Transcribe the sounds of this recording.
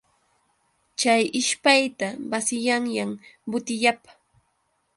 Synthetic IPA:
t͡ʃajɪʃpajt̪abasɪjaŋjambʊt̪ɪʎapḁ

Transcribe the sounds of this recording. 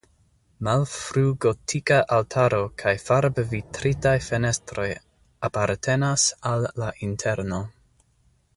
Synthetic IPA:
malfɾuɡo̞tʰikaʔaltʰaɾo̞kʰajfaɾbvitɾitajfe̞ne̞stɾo̞j | apaɾtʰe̞nasalːaʔintʰe̞ɾno̞

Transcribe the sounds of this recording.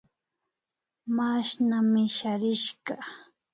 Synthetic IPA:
maʃnamɪʃaɾɪʃɢɑ

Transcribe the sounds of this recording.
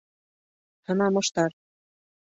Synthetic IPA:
hɤ̆nɑmŏʃt̪ɑɾ

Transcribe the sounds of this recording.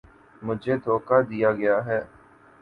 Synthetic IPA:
mʊd͡ʒʱeːd̪ʱoːkad̪ijaɡɐjaːɦɛː

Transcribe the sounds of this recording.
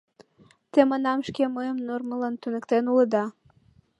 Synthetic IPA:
t̪emənɑmʃkeməjəmnormələnt̪ynə̆kt̪enuləd̪ɑ

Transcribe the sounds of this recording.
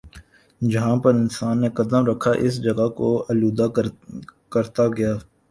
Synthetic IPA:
d͡ʒɐɦãpɐɾɪnsaːnːekɐd̪əmɾɐkʰːaʔɪsd͡ʒɐɡakoɐluːd̪a | kɐɾt̪aɡɐjaː

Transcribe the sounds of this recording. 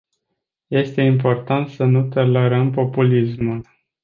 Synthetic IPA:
je̞st̪e̞impo̞rt̪ant̪sənut̪oleɾəmpo̞pulismul

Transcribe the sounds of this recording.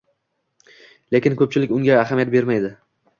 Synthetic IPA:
le̞kʲɪnkʰɵp̚t͡ʃʰɪlɪkʲʊŋɡʲaːɦamijat̪̚be̞ɾmajd̪ɪ

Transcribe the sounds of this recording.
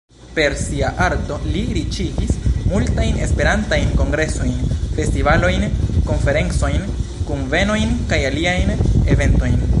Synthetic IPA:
pe̞ɾsiaʔaɾto̞liɾit͡ʃivismultajne̞spe̞ɾantajnko̞ŋɡɾe̞so̞jnfe̞stivalo̞jnko̞nfe̞ɾe̞nt͡so̞jn | kunve̞no̞jnkajaliajne̞ve̞nto̞jn

